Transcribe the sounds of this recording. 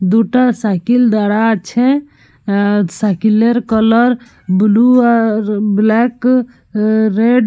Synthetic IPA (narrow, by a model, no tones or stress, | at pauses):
d̪uʈasakild̪aɽat͡ʃʰɛ̃ | sakileɾkələɾ | bulu | blɛk | ɾeɖ